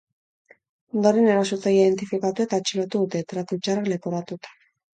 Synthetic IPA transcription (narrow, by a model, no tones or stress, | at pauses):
nd̪oɾene̞ɾasot͡saiðe̞nt̪ifikat̪ue̞t̪at͡ʃilot̪uðut̪e̞t̪ɾat̪ut͡ʃaralepoɾat̪ut̪ḁ